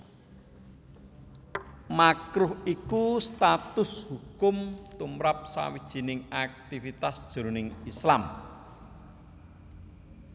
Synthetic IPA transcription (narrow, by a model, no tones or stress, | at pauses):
makɾʊhikust̪at̪ʊshukʊmt̪umɾap̚sa̰wid̥ʒ̥i̤nɪŋak̚t̪ifit̪asd̥ʒ̥o̤ɾonɪŋislam